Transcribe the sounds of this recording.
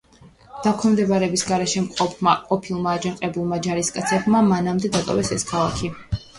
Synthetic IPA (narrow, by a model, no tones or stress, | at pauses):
d̪̥akʰɔnmd̪ɛbaɾɛbisɡaɾɛʃɛmqʼɔpʰmaqʼɔpʰilˠmaːd͡ʒanqʼɛbulˠmad͡ʒaɾiskʼat̪sʰɛbmamanamd̪ɛd̪at̪ʼɔwɛsɛskʰalˠakʰi